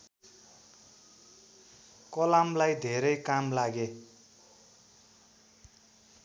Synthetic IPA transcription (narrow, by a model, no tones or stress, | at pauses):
kʌlamlajd̪ʱeɾʌjkamlaɡe